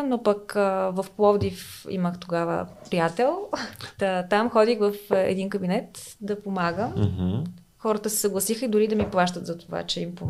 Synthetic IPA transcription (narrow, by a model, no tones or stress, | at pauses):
nopəkəvɐfplˠɔvd̪ifḭməxt̪oɡavə̰pɾijat̪ɛlˠət̪amxɔd̪ixvəfɛ̰d̪inkəbinɛt̪ | d̪ɐpomaɡəm | xɔɾət̪əsɛ̥səɡlˠɐsixəid̪ʊɾid̪ɐmiplˠaʃt̪ət̪zɐt̪ova̰t͡ʃɛimpom